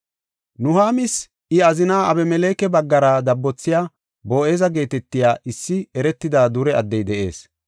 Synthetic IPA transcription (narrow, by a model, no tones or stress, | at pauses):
nʊhaːmɪs | ɪɐzɪnaːɐbɛmɛleːkɛbɐɡːɐɾaːd̪ɐbːɔt͡sːɪjaː | bo̞ːʔe̞ːzɐɡe̞ːt̪ɛt̪ːɪjaːʔɪsːɪɛɾɛt̪ːɪd̪aːd̪ʊɾɛɐd̪ːɛjd̪ɛʔe̞̰ːs